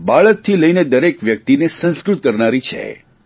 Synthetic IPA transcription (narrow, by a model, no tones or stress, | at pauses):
baɭək̚t̪ʰːiləined̪əɾekʋjək̚t̪inesə̃nskɾut̪̚kəɾnaɾit͡ʃʰḛ